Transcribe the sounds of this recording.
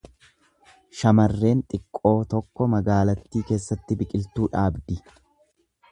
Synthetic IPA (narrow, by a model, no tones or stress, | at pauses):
ʃɐmɐrːe̞ːnt̪ʼɪkʼːo̞ːt̪ɔkːɔmɐɡaːlɐt̪ːiːke̞ːsːɐt̪ːɪbɪkʼɪlt̪uːᶑaːbd̪ɪ